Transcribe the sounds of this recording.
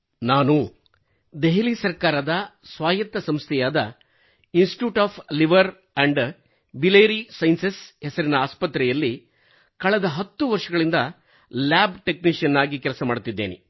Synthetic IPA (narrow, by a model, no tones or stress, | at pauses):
naːnu | d̪eɦiliːsɐɾkaːɾɐd̪ɐsʋaːjɐt̪ːɐsɐmst̪ʰɛjaːd̪ɐ̰ | insʈʈjuːʈaːpʰliʋɐɾ | ɐɳɖ | bileːɾisɐjnsesɦɛsɐɾinɐaːspɐt̪ːɾɛjɐlːi | kɐɭɛd̪ɐɦɐt̪ːuʋɐɾʂɐɡɐɭind̪ɐ | laːbʈekniʂjɐnːaːɡikɛlɐsɐmaːɽut̪ːid̪ːḛːnḭ